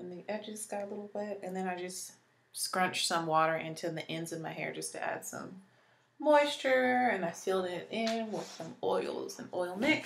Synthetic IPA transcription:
ɨ̃nðiʔɛd͡ʒɨz̥ɡ̥ɑɾəlɪɾl̩ˠwɪɾɨ̃nðɨ̃ñaɪd͡ʒʌst | skɹʌ̃nt͡ʃsʌ̃mwɔɾə˞ʔɪ̃ntʰʉðiʔɛ̃ndzʌvmaɪɦɛ̰ɹd͡ʒʌstʰɨ̰ʔæ̰d̥sʌ̰̃mː | ɔɪst͡ʃə˞ɨ̃naɪsilˠdɪɾɪ̃nwɪð̥sʌ̃mɔ̰ɪlˠz̥ɨ̃mʔɔɪl̩ˠnɪk

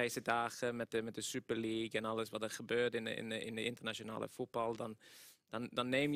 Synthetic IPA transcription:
ɛjsədaːχəmɛt̚dəmɛt̚dəsypəliːkɛnɑləsvɑtəɹχəbøːɹtɪnɪ̰nəɪ̰ndəɪntəɹnaʃona̰ːlə̰fut̚b̥ɑlˠdɑnd̥ɑndɑnːeːm

